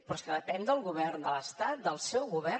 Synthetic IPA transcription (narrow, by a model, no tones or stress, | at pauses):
pɾɔskəðəpɛnd̪əlˠɣuβɛrnd̪ələst̪at̪̚d̪əlˠsɛwɣuβɛ